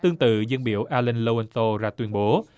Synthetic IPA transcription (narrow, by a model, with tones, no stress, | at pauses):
t̪ɨ˧əŋt̪ɨ̰˧˨zə˧nɓḭ˧˥˨əwʔaː˧lə˧nlo˧ə˧nso˧za̰ː˧t̪wi˧ənɓo˨˦